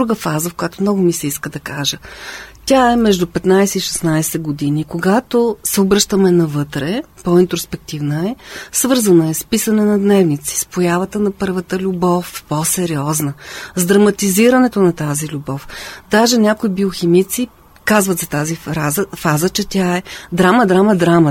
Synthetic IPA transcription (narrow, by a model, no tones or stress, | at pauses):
d̪ɾuɡəfazəfkʊjat̪omnɔɡʊmisɛiskəd̪ɐkaʒət̪ʲaɛmɛʒd̪upɛt̪najsɛiʃɛ̥snajsɛɡod̪inikoɡat̪osɛobɾɤʃt̪əmɛnɐvɤt̪ɾɛpɔint̪ɾospɛk̚t̪ivnəɛsvɤɾzənəɛspisɐnɛnɐd̪nɛvnit̪si̥spojavət̪ənɐpɤɾvət̪əlʲʊbɔfposɛɾiɔznəzd̪ɾɐmɐt̪iziɾɐnɛt̪onɐt̪azilʲubɔfd̪aʒɛnʲakoibioximit̪si | kazvət̪zɐt̪aziazəfazət͡ʃɛt̪ʲaɛd̪ɾamɐd̪ɾaməd̪ɾamə